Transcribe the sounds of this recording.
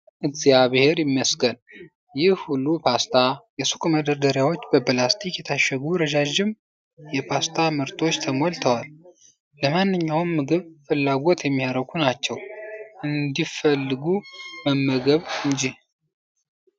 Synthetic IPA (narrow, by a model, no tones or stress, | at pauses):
ʔɨɡzjaβɨhe̞ɾjɪmːəsɡən | jɪhhulːupʰast̪ʰajɛsu̥kʼməd̪əɾd̪əɾjawo̞t͡ʃːbəpʰlast̪ʰikjɛt̪ʰaʃəɡuɾəd͡ʒad͡ʒɪm | jɛpʰast̪ʰamɨɾt̪ʰo̞t͡ʃːt̪ʰəmolt̪ʰəwalː | əmanːɨɲːawmːɨɡɨβfɨlːaɡo̞t̪jɛmːihaɾəɡʰunat͡ʃːɛwʔɨnd̪ifəlːɨɡubəmːəɡəβɨɲd͡ʒih